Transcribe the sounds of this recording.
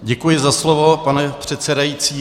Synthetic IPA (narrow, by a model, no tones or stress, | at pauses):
ɟɛkujɪzaslovo̞panɛpr̝̥ɛt̪t͡sɛdajit͡siː